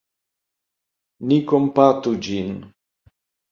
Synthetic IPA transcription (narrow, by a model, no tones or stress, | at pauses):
nikompat̪ud͡ʒin